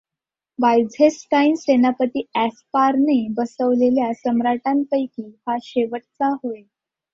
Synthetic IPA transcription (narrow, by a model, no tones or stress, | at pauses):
bajd͡zʱesʈainsenapət̪iːæspaɾnebəsəʋleljasəmɾaʈampəjkiːhaɕeʋəʈ̚t͡saɦoe